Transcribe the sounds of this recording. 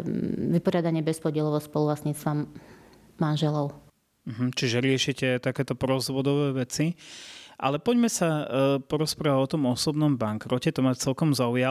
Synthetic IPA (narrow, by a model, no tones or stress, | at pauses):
ʋipɔɾɪad̪aɲɪɛbɛspɔɟɪɛlɔʋɔspɔlulasɲiːt͡sst̪ʋamː | anʒɛlɔʊ | m̩ɦm̩t͡ʃiʒɛɾɪɛʃicɛt̪akɛːt̪ɔpɾɔzʋɔd̪ɔʋɛːʋɛt͡si | ʔa̰lɛpɔɟmɛsapɔɾɔspɾaːʋaɟɔt̪ɔmɔsɔbnɔmbaŋkɾɔcɛt̪ɔmat͡sɛlkɔmzauja